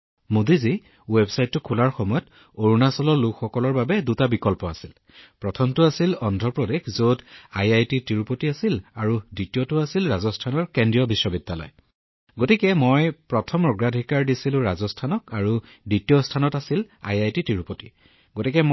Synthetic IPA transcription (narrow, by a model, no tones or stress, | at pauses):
mudizi | websajtːʊkʰulaɹxɔmɔjɔt | oɹunasɔlɔɹlukxɔkɔlɔɹbabɛdutabikɔlpɔasil | pɹɔtʰɔmtʊasilɔndʱɹɔpɹɔdexzodajajtitiɹupotiasilaɹuditijɔtʊasilɹazɔstʰanɔɹkendijɔbisːɔbidːalɔ̰j | ɡotikɛmojpɹɔtʰɔmɹɔɡɹadʱikaɹdisilʊ̃ɹazɔstʰanɔkaɹu | ditijɔstʰanɔtasila̰jajtitɹiɹupoti | ɡotikɛ